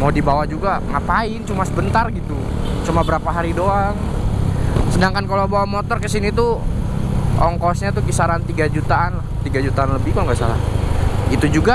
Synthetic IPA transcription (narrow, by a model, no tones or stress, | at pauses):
madibawad͡ʒuɡaŋapaɪnt͡ʃumasəbənt̪arɡit̪u | t͡ʃumabəɾapaɦaɾidoaŋ | sədaŋkankalawbawamɔt̪ɔrkəsinit̪u | ʔɔŋkɔsɲat̪ukisaɾant̪iɡad͡ʒut̪aːnlaht̪iɡad͡ʒut̪aːnləbɪhkaloŋɡasa̰ɾa̰ | it̪ud͡ʒuɡa